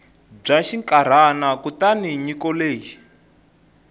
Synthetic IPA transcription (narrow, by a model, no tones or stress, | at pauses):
b͡ʐaʃiŋkaɾ̤anakutaniɲikɔleːji